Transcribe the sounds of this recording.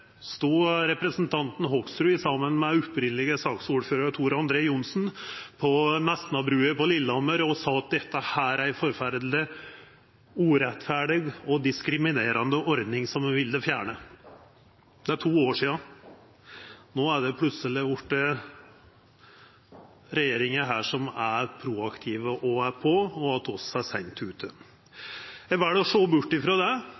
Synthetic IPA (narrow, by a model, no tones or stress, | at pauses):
st̪uːɾɛpɾəsn̩t̪ʰɑnt̪n̩ɦɔksɾʉːɪsɑmːənmɛʉpɾɪnlɪɡəsɑːksuːɾføːɾəɾt̪ʰuːɾɑnd̪ɾeːjʊnsn̩pʰɔnɛst̪n̩ɑbɾʉːəpɔlɪlːəɔməɾɔsɑːɑt̪̚d̪ɛt̪ːəhæːɾæɪfɔɾfæɾd̪lɪ | uːɾɛt̪fæɖɪɡɔd̪ɪskɾɪmɪneːɾɑnd̪əʔɔɾd̪nɪŋsɔmʋɪld̪ɛfjæːɳə | d̪̥ɛæʈʰuːoːʂiːɑ | noːæɖɛpʰlʉsəlɪjʊʈːə | ɾɛjeːɾɪŋəɦæːʂɔmæɾpʰɾuːɑkt̪ʰiːʋəʔɔæɾpʰɔɔɑt̪ːɔsæsɛnt̪ʰːʉːt̪ʰə | æʋæːɖɛɔʂoːbʊʈːɪfɾoːd̪ɛ